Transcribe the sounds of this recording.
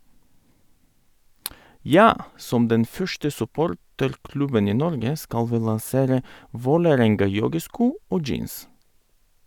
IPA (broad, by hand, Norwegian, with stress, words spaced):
ˈjɑː ˈsɔm ˈdɛn ˈfœʃtə sʉˈpoːɾtəɾˌklʉbən ˈiː ˈnɔɾɡə ˈskɑl ˈʋiː lɑnˈseːɾə ˈʋoːləˌɾɛŋɡɑˌjɔɡəˌskuː ˈoː ˈd͡ʒiːns